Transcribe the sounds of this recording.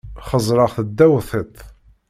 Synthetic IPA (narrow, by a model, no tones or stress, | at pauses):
χəzˤɾɑʁθəd̪ːæwθˤet̪ˤ